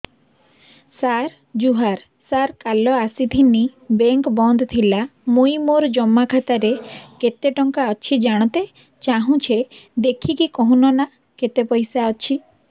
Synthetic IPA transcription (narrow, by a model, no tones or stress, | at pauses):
saɾ | d͡ʒuɦaɾ | saɾkalɔasit̪ʰinibeŋkbɔnd̪ʱɔt̪ʰilamujmoɾd͡ʒɔmːakʰat̪aɾeket̪eʈɔŋkaɔt͡ʃʰid͡ʒaɽ̃ɔt̪e | t͡ʃaɦũt͡ʃʰed̪ekʰikikɔɦũnɔna | ket̪epɔjsaɔt͡ʃʰi